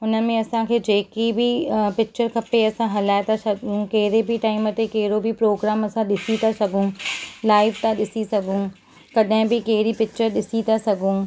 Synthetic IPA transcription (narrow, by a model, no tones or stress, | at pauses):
ʊnə̆mẽɐsãkʰeːd͡ʑeːkibʱipɪk̚t͡ʃəɾkʰɐpeɐsãɦɐlaːet̪asɐɡʱũkɐɦɪɾebʱiʈaːɪmət̪ekeɦɪɾobʱipɾoːɡɾaːmɐsãɗɪsit̪asɐɡʱũlaːɪʋt̪aɗɪsisɐɡʱũː | kɐɗɦɪ̃bʱɪkɐɦɾipɪk̚t͡ʃəɾɗɪsit̪asɐɡʱũ